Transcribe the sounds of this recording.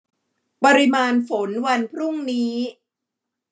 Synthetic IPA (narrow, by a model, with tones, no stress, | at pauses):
pɔ˧ɾi˧˥maː˧nfo˩˦nwa˧npʰɾu˥˩ŋniː˦˥